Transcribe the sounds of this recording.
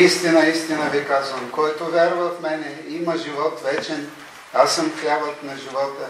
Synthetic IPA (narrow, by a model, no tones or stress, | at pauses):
ist̪inɐist̪inəbikazvəmkɔjt̪ovʲjaɾvɐt̪mɛnɛimɐʒivɔt̪vɛt͡ʃɛn | asəmklʲavət̪nɐʒivɔt̪ə